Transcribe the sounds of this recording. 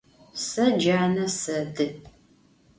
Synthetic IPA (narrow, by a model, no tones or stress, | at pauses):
sɐd͡ʒaːnɐsɐdɨ